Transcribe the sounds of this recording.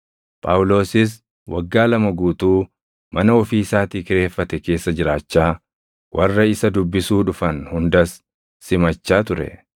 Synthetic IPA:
pʼaːwʊlo̞ːsɪs̬ | wʔɐɡːaːlɐmɐɡuːt̪uː | mɐnɐɔfiːsaːt̪iːkɪɾe̞ːfːɐt̪ɛke̞ːsːɐd͡ʒɪɾaːt͡ʃːaː | wʔɐrːɐɪsɐd̪ʊbːɪsuːᶑʊfɐnhʊnd̪ɐsː | ɪmɐt͡ʃːaːt̪ʊɾɛ̰

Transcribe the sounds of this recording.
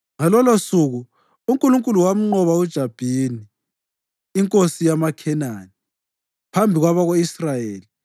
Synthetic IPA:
ŋalɔlosuɣu | uŋkʼuluŋkʼuluwam̩ŋ͡ǃɔβaud̥ʒ̥ʱab̥ʱiniː | ŋkʼosijamakʰɛnani | pʰambʱiɣwaβaɣoisrajeːli

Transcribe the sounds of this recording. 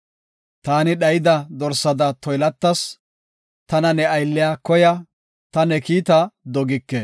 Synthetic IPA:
t̪aːnɪɗɐjɪd̪ɐd̪ɔɾsɐd̪ɐt̪ɔjlɐt̪ːɐs | t̪ɐnɐnɛɐjlːɪjaːkɔjɐ | t̪ɐnɛkiːt̪ɐd̪ɔɡɪkːɛ

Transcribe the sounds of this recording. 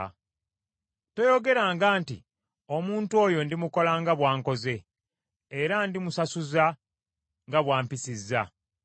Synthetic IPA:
to̞jo̞ɡe̞ɾaːŋɡaːntḭ | o̞muːntuo̞ːjo̞ndimuko̞laːŋɡaβwaːŋko̞ze̞ː | ɾandimusasuza | ŋɡaβwaːmpisizːa

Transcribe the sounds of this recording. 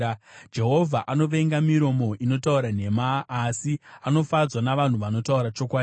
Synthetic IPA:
d͡ʒe̞ɦo̞vʱaʔano̞ʋe̞ŋɡamiɾo̞mo̞ʔino̞tauɾan̤e̞maːsiano̞fad͡zwanaʋan̤uʋano̞tauɾat͡ʃo̞kwaː

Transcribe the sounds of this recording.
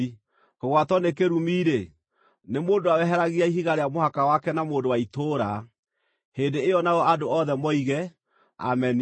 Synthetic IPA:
koɣwatɔnekeɾumiːɾe | nemoːndowawɛɦɛɾaɣiaiɦiɣaɾeamohakawakɛnamoːndowaitoːɾa | heːndeejɔnaɣɔʔadoɔðɛmɔiɣɛ | a̰mɛn

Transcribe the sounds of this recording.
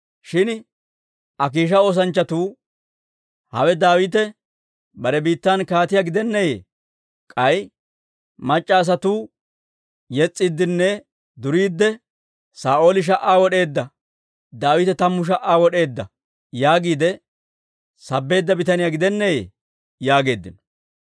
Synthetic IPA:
ʃɪn | ʔɐk̬iːʃ̬ɐo̞ːs̬ɐnt͡ʃːɐt̪uː | hɐ̰wɛd̪aːwɪt̪ɛ | bɐɾɛbiːt̪ːankaːt̪ɪjaɡɪd̪ɛnːɛjḛː | kʼɐj | mɐt͡ʃʼːaːs̬ɐt̪uː | jɛt͡sʼːɪd̪ːɪnːɛ | d̪ʊɾiːd̪ːɛ | saːʔo̞ːlɪʃ̬ɐʔaːwɔɗe̞ːd̪ːɐ | d̪aːwɪt̪ɛt̪ɐmːʊʃ̬ɐʔaːwɔɗe̞ːd̪ːɐ | jaːɡiːd̪ɛ | sɐbːe̞ːd̪ːɐbɪt̪ɐnɪjaɡɪd̪ɛnːɛjḛː | jaːɡe̞ːd̪ːɪnɔ̥

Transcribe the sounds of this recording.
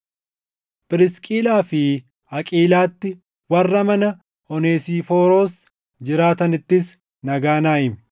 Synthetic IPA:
pʼɪɾɪskʼiːlaːfɪ | ɐkʼiːlaːt̪ːɪ | wɐrːɐmɐnɐ | ɔneːsiːfoːɾoːs | d͡ʒɪɾaːt̪ɐnɪt̪ːɪs | nɐɡaːnaːʔɪm

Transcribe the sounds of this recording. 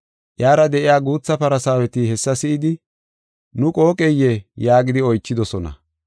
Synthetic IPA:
ʔjaːɾɐd̪ɛʔɪjaːɡuːt͡sːɐpɐɾɐsaːwɛt̪ɪhɛsːɐsɪɪd̪ɪ | nʊkʼo̞ːkʼɛjːɛjaːɡɪd̪ɪɔjt͡ʃːɪd̪ɔsɔnɐ̰

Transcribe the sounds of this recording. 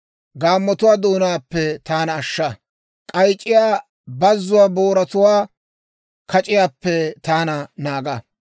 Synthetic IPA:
ɡaːmːɔt̪ʊwaːd̪oːnaːpːɛt̪aːnɐːʃːɐ | kʼɐjt͡ʃʼːɪjaː | bɐzːʊwaːboːɾɐt̪ʊwaː | kʰɐt͡ʃʼɪjaːpːɛt̪aːnɐnaːɡɐ

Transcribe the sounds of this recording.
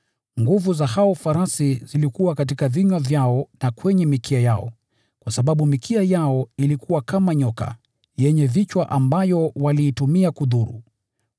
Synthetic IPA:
ŋɡuvuzahaɔfaɾasizilikuwakat̬ikaviɲwavjaɔnakwɛɲɛmikiajaɔ̰ | kwasaɓaɓumikʰiajaɔilikuwakamaɲɔka̰ | jɛɲɛvit͡ʃwaʔambajɔwaliːtumiakuðuɾṵ

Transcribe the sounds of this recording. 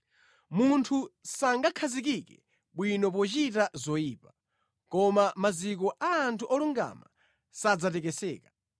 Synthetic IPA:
muntʰusaŋɡakʰazik̬ikɛ̰ | ɓwinɔp̬ɔt͡ʃitazɔjiːpa | kɔmamazikɔʔaːntʰuʔɔluŋɡa̰ma̰ | sad͡zatɛkɛsɛ̰ːkḁ

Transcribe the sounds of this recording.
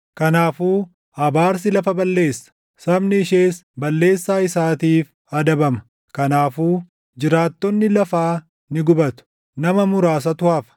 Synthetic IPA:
kɐnaːfuː | ɐbaːɾs̬ɪlɐfɐbɐlːe̞ːsːɐ̥ | sɐbnɪːʃeːsbɐlːe̞ːsːaːɪsaːt̪iːf | ɐd̪ɐbɐmɐ̥ | kɐnaːfuː | d͡ʒɪɾaːt̪ːɔnːɪlɐfaː | nɪɡʊbɐt̪ʊ̥ | nɐmɐmʊɾaːs̬ɐt̪ʊhɐfɐ̥

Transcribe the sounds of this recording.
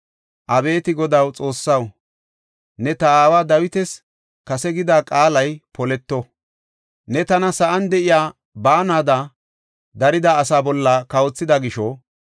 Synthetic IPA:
ʔɐbe̞ːt̪ɪɡɔd̪ɐwt͡sʼo̞ːsːɐw | nɛt̪ɐaːwaːd̪ɐwɪt̪ɛs | kɐsɛɡɪd̪aːkʼaːlɐjpɔlɛt̪ːɔ | nɛt̪ɐnɐsɐʔɐnd̪ɛʔɪjaː | baːnaːd̪ɐ | d̪ɐɾɪd̪aːsaːbɔlːɐkɐwɔt͡sːɪd̪ɐɡɪʃɔ

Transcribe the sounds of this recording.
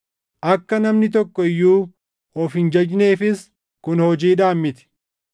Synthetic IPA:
ʔɐkːɐnɐmnɪt̪̬ɔkːɔɪjːuː | hɔfɪnd͡ʒɐd͡ʒne̞ːfɪs | kʊnhɔd͡ʒiːᶑaːmːɪt̪ɪ̥

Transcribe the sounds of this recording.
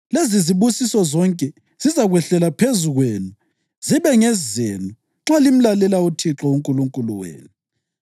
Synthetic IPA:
leziziβusisɔzɔŋkʼɛ | z̥izaɣwɛɬɛlapʰezuɣweːnu | ziβɛŋɛzzenu | ŋ͡ǁalim̩lalɛlautʰiǁɔuŋkʼuluŋkʼuluwḛːnu

